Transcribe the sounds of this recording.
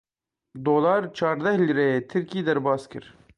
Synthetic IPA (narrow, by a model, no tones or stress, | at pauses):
d̪oːlɑːɾt͡ʃʰɑːɾd̪ɛhliɾejeːt̪ʰɪɾkiːd̪ɛɾbɑːskʰɨɾ